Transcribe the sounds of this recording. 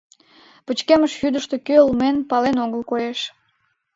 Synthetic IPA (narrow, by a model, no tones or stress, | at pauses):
pət͡ɕkeməʃjyd̪əʃt̪e̽køəlmenpɑlenoɣəlkojeʃ